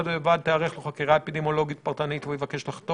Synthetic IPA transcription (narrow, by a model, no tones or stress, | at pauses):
d̪ːvad̪̚t̪eaʁeχloχakiʁaepid̪emo̞lo̞ɡit̪paʁt̪anit̪vejevake̞ʃlaχt̪o